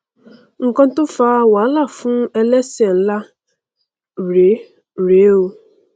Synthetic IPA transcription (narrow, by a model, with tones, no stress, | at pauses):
ŋ̩˨kɔ̃˦n̩˦tʊ˦faː˦wa˨˦la˦˨fʊ̃˦ɛ˦lɛ˦se˨n̩˦la˦ | ɾe˨˦˨ | ɾe˨˦wu˦